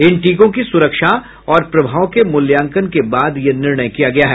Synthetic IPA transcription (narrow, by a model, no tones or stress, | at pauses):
ɪnʈiːkõk̬isʊɾəkʃa | ɔːɾpɾɐbʱaːʋkemʊljãːŋkənkebaːd̪jenɪɾɳ̃əjkijaɡɐjaɦɛː